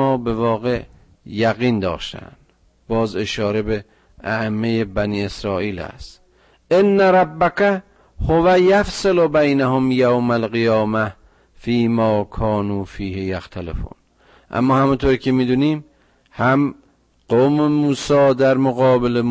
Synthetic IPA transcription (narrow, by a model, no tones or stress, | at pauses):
ɒːbe̞vɒːɣeʔ | jæɣiːnd̪ɒ̰ːʃt̪æ̰nd̪ | bɒːzeʃɒːɾe̞be | ʔæʔemːejebæniːe̞sɾɒːʔiːlæ̰st̪ | ʔenːæɾˤɑbːækæ | hovæjæfselobæjnæhomjawmælɣijɒːmæ | fiːmɒːkʰɒːnuːfiːhejæxt̪ʰælḛfṵːn | ʔæ̰mːɒːhæmunt̪ʰoɾiːkʰemiːd̪uːniːm | hæm | ɢ̥omemuːsɒːd̪æɾmoɣɒːbele